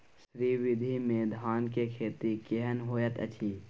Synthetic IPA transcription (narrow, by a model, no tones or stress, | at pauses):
sɾiʋɪd̪ʱimẽd̪ʱaːnkekʰeːt̪ikeɦənɦoːjət̪ə̰t͡ʃʰiː